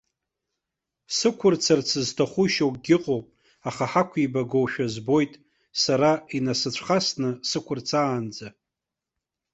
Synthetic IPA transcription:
sɨkʷʰʊrt͡sʰart͡sʰɨztʰaχʷuʃowkʼɡʲɪqʼowpʼ | aχaħakʷʰibaɡowʃᶣazbo̞jtʼ | saɾainasɨt͡ɕʷʰχasnɨsɨkʷʰʊrt͡sʰaːnd͡za

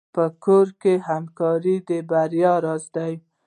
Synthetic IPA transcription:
pəkoɾkeɦamkɑɾid̪əbaɾjɑɾɑzd̪aj

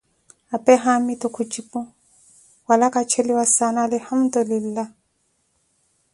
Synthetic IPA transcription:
apɛɦamitʊkʰʊt͡ʃʼipʊ | walakʼat͡ʃʰelɪwasanalɪhamd̪ʊlɪlːa

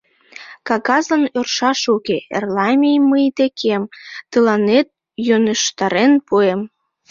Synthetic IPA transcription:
kɑɣɑzənørʃɑʃukeḛrlɑmʲijməjd̪ekʰemt̪əlɑnet̪̚ | jøneʃt̪ɑɾenpuem

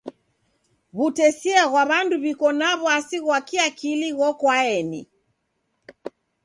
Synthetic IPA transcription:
βutɛsiaɣwaβanduβikɔnaβɔasiɣwakiakiliɣɔkwaɛnḭ

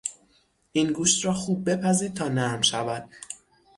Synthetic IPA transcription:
ʔiːnɡuːʃt̪ɾɒːxuːb̚ːe̞pʰæziːd̪̚t̪ʰɒːnæɾmʃævæd̪̥̚

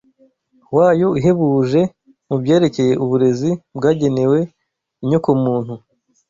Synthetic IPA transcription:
waːjo̞iɦe̞βuʒe̞ | mubɟe̞ːɾe̞ce̞je̞ʔuβuɾe̞zibɡaːɟe̞ne̞we̞ | iɲokomuːnhu

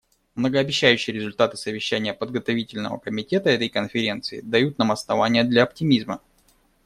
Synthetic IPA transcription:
mnəɡəːbʲɪɕːæjʉɕːɪjəɾʲɪzʊlʲt̪at̪ɨ̥səvʲɪɕːænʲɪjəpəd̪ɡət̪ɐvʲitʲɪlʲnə̰və̰kəmʲɪtʲe̞t̪əɛt̪əjkənfʲɪɾʲe̞nt̪sɨɪ̰d̪ɐjut̪̚namɐsnɐvanʲɪjəd̪lʲɐːp̚tʲɪmʲizmə

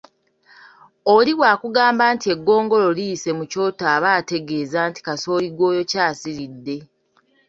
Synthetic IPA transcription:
oliβwaːkuɡaːmbaːntie̞ɡːo̞ːŋɡo̞lo̞lijːse̞muco̞ːtaːβaːte̞ɡe̞ːzaːnti̥kaso̞ːliɡwo̞ːjo̞caːsiɾidːe̞

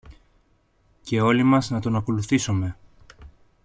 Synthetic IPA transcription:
ce̞o̞limɐznɐt̪o̞nɐko̞luθisome̞

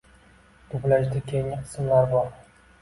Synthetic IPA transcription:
t̪ʊblaʃd̪ɪkʲʰejŋɪqʰɨ̥smlaɾbɒɾ

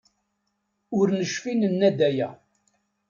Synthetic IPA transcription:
ʊɾnəʃfinənːæd̪æjæ

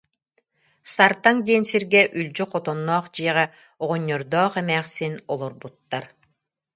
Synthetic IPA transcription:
saɾt̪aŋd̪iːnsiɾɡɛʔylʲd͡ʑyqɔt̪ɔnːɔːχd͡ʑiɛʁɛ | ɔʁɔɲːɔɾd̪ɔːχɛmɛːχsinɔlˠɔɾbut̪ːaɾ

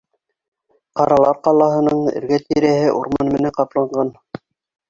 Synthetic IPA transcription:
qɑɾɑlˠɑɾqɑlˠɑɦɤ̆nɤɴɘ̰̆ɾɡæt̪iɾæhɘʔuɾmɑnmɘ̆næɴqɑplˠɑɴɢɑn

